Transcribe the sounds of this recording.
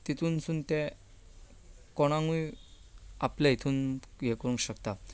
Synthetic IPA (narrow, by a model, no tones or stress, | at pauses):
t̪it̪ʰuːnsuːnt̪e | kɔɽ̃ãŋɡuj | apljait̪ʰuːnɡʱekəɽũŋkɕəkt̪a